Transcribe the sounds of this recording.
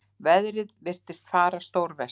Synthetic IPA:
vɛðɾɪðvɪr̥t̪ɪst̪faːɾast̪owɾvɛ

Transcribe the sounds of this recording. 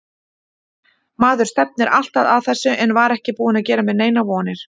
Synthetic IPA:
maːðʏɾ̥st̪ɛp̚nɪɾa̰l̥t̪aðaðθɛsːʏʔɛnvaɾɛhcɪpuːɪnaðcɛːɾamɛðneːjnavɔːnɪɾ̥

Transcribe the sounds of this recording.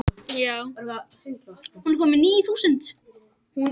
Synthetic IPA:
jaːw | hunɾkʰɔːmɪniːjiθuːsənt̪

